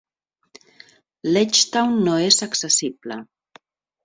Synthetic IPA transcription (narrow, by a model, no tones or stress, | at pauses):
let͡ʃt̪awnːoezaksəsiblə